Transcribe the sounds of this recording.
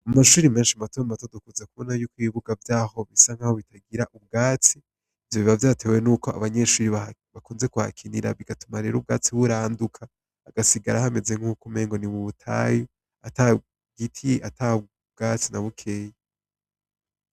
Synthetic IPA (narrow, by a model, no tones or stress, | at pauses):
amaʃuːɾime̞ːnʃiamatoamatodokuzakuβonajukwiːβuɡavjaːho̞βisaŋ̥haho̞βitaɡiɾaʔub̚ɡaːt͡si | vjoβiβavjaːtʰe̞we̞nuːko̞a̰βaɲe̞ʃuːɾiβaβakuːnze̞kuha̰kʰiniɾa̰βiɡatumaɾeɾub̚ɡaːt͡siβuɾaːndukʰaː | ɡasiɡaɾahame̞zeŋ̥ukume̞ːŋɡo̞niβuβutʰa̰ju | ata | ɡ̥itʰiʔata | bɡ̥aːt͡sinaβukʰe̞ːje